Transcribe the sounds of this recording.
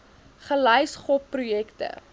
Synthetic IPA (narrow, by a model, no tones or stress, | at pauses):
χəlɐjsχɔpːrujɛktə̰